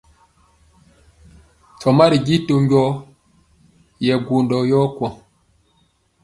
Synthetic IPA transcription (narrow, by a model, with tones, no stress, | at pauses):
t͡sɔ˨ma˦ɾi˨ɡi˦to˦ŋɡɔ˦ | jɛ˨ɡu˨ndɔ˨jɔ˦kwɔ̃˨